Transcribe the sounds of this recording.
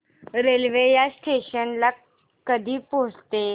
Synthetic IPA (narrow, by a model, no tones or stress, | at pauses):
ɾelʋejasʈʰeɕənla | kːəd̪ʱiːpod͡zt̪e